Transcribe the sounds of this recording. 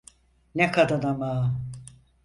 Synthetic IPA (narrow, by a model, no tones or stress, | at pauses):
nɛkʰad̪ad̪amaː